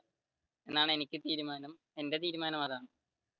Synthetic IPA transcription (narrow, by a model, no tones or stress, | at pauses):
enːaːɳɨenikʲːɨt̪iːɾumaːnɐm | e̞nde̞t̪̬iːɾumaːnɐmɐðaːɳɨ